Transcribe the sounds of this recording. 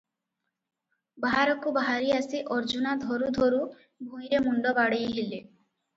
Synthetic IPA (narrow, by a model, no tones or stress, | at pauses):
baɦaɾɔkubaɦaɾiasiʔɔɾd͡ʒunad̪ʱɔɾud̪ʱoɾu | bʱũjɾemɔɳɖɔbaɽejɦile